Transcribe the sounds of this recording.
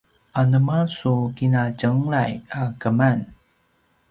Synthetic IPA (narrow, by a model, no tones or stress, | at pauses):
ʔanəmasukinaɟəŋɭajakəman